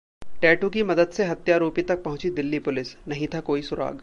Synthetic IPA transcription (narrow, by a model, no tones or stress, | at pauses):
ʈɛːʈũk̬imɐd̪əd̪seɦɐt̪jaɾuːpit̪ɐk̚pɐɦʊ̃t͡ʃid̪ɪlːipʊlɪsnɐɦĩt̪ʰakoːisʊɾa̰ːɡ